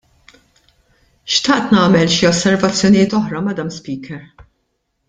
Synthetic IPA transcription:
ʃt̪ɐʔt̪nɐːmɛlʃiɔsːɛɾvɐt͡sːjɔnɪjɪːt̪ɔħɾɐmɐd̪ɐmspiːkɛɾ

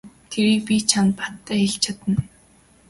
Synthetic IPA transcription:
t̪ʰeɾiːk̚pʲit͡ɕʰant̪pḁt̪ʰːæːxeɬt͡ɕʰat̪ə̆n

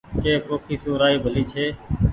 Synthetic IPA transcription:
keːkoːkʰiːsõːɾaːiːbʱəliːt͡ʃʰeː

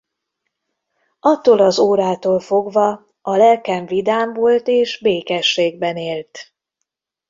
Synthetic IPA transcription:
ɒt̪ːoːlɒzoːɾaːt̪oːlfo̞ɡvɒ | ɒlɛlkɛɱvid̪aːɱvolt̪eːʒbeːkɛʃːeːɡ̚bɛneːlt̪

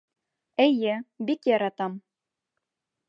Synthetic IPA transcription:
ɘjɘbikjɑɾɑt̪ɑm

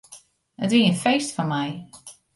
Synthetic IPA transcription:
ətʋiːəənfejstfɔnmɛj

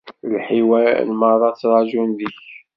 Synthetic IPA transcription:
lħiwæ̰lməðˤɑt͡sːɾˤɑʒunðiç

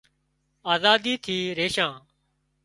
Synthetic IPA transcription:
aːzaːd̪iːt̪ʰiːɾeːʃãː

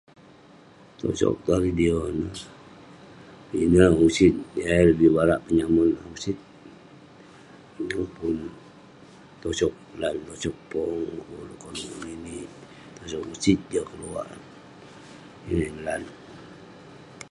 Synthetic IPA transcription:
t̪o̰sɔ̰k̚t̪aɾidionə | inəusit̪̚jaləbibaɾaʔpəɲamunausit̪̚ | ŋopun | t̪ɔsɔk̚lant̪ɔsɔk̚pɔŋkolukoluminiʔ | t̪osɔk̚usit̪̚d͡ʒakəlua̰ʔ | inainlan

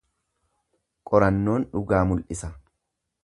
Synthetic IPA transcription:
kʼɔɾɐnːo̞ːnᶑʊɡaːmʊlʔɪsɐ

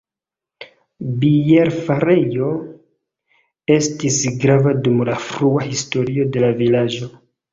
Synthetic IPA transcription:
bijeɾfaɾe̞jo̞ | e̞stisɡɾavadumlafɾuahisto̞ɾio̞de̞lavilad͡ʒo̞

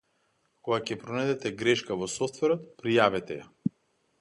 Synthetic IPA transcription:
koɡakcɛpɾɔnɛd̪ɛt̪ɛɡɾɛʃkavɔsɔft̪vɛɾɔt̪pɾijavɛt̪ɛja

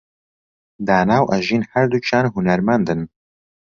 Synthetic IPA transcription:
d̪aːnaːwʔɐʒiːnhɐɾd̪ut͡ʃʰaːnɦunɐɾmand̪ɨn

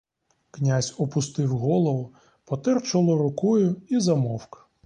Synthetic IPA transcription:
knʲazʲɔpʊst̪ɪwɦɔlˠɔʋʊ | pɔt̪ɛrt͡ʃɔlˠɔɾʊkɔjʊizɐmɔwkɐ̥

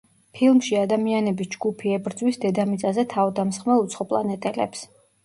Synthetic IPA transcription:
pʰilˠmʃiad̪amianɛbisd͡ʒɡupʰiɛbɾd̪zwisd̪ɛd̪amit̪sʼazɛt̪ʰavɔd̪amsχmɛlˠut̪sʰχɔpʼlˠanɛt̪ʼɛlɛ̰ps

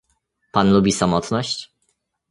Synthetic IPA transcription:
panlubʲisamɔt̪nɔɕt͡ɕ

